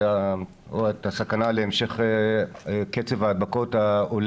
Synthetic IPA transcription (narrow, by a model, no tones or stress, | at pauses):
a | etasakanaleemʃe̞χe | ket͡sevaːd̪̚bako̞taol